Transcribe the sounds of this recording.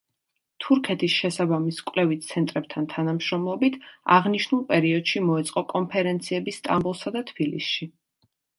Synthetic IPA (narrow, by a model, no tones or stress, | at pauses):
t̪ʰuɾkʰɛt̪ʰisʃɛsabamiskʼwlɛvit̪sʰɛnt̪ʼɾɛb̚t̪ʰant̪ʰanamʃɾɔmlˠɔbit̪ʰa̰ʁniʃnulˠpʼɛɾiɔd̪ʃimɔɛt̪sʼqʼɔkʼɔnpʰɛɾɛnt̪sʰiɛbist̪ʼambulˠsad̪at̪ʰbilḭsʃi